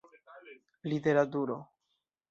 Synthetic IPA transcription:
lite̞ɾat̬uɾo

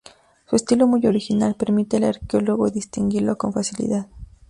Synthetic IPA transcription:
suest̪ilomujo̞ɾixinalpeɾmit̪elaɾkeoloɣo̰ðist̪iŋɡiɾlokonfasilḭðað

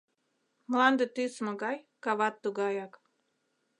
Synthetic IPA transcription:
mlɑnd̪ət̪ysmoɡɑj | kɑβɑt̪ːuɡɑjɑk

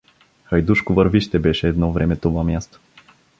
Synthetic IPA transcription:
xɐjd̪uʃkovəɾviʃt̪ɛbɛʃɛːd̪nɔvɾɛmɛt̪ovamjast̪o̥

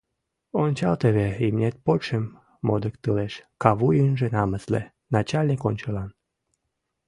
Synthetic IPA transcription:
onʲt͡ɕɑlt̪eβeimnʲet̪̚pot͡ɕemː | od̪əkt̪ɨleʃkɑβujənʒenɑməslḛ | nɑt͡ɕalʲnʲikonʲt͡ɕəlɑn

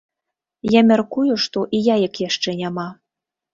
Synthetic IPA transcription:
jæmʲerkujoʃt̪oʔijɑjə̆kjæʃt͡ʃĕnʲɑmɑ

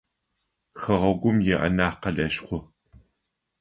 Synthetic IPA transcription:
xɐʁɐɡʷʊmjɛʔɐ̰naːqɐɬɐɕχʷʊ

